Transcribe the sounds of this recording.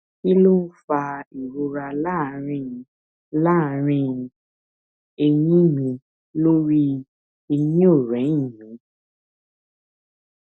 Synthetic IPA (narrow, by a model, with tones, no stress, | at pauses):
ki˦lo˦fa˧i˨ɾo˧ɾa˧laː˦˨˦ɾ̃ĩ˧˨˧ | la˦˨ɾ̃ĩ˧˨ | e˧j̃ĩ˦mĩ˧ | lo˦ɾi˦ | e˧jĩ˦o˦˨ɾɛ̃˨˦ĩ˦˨mĩ˨˦